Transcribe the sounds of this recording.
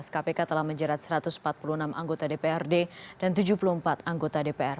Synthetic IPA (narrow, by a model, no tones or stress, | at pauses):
skapekat̪əlahməɲd͡ʒəɾat̪̚səɾat̪ʊsm̩̥pat̪̚pulunamʔaŋɡot̪adepeɛrded̥ant̪ud͡ʒupuluhəmpat̪aŋɡot̪adepeɛr